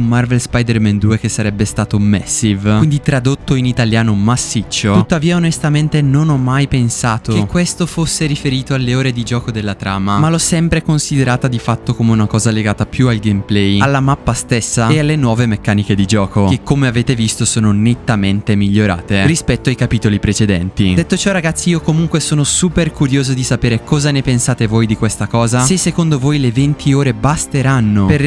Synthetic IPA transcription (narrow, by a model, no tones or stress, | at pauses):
ummarvelspajd̪ɛrmɛnd̪uːek̟esːaɾɛbːest̪aːt̪omɛsːivwind̪it̪ɾad̪ot̪ːoinit̪aljaːnomasːit͡ʃːot̪ut̪ːaviːaonest̪ament̪enonɔmːajpensaːt̪okekːwest̪ofosːeɾifeɾiːt̪oalːeoːɾed̪id͡ʒɔːkod̪elːat̪ɾaːmamalɔsːɛmpɾekonsid̪eɾaːt̪ad̪ifat̪ːokomeunakɔːzaleɡaːt̪apjualɡemplɛjalːamapːast̪esːaealːenwɔːvemekːaːniked̪id͡ʒɔːko̟ekːomeaveːt̪evist̪osoːnonet̪ːament̪emiʎːoɾa̰ːt̪erispɛt̪ːoajkapiːt̪olipɾet͡ʃed̪ɛnt̪id̪et̪ːot͡ʃɔraɡat̪sːiiːokomuŋkwesoːnosuːperkuɾjoːzod̪isapeːɾekɔːzanepensaːt̪evojd̪ikwest̪akɔːzasesːekond̪ovojlevent̪ʰioːɾebast̪eɾanːoper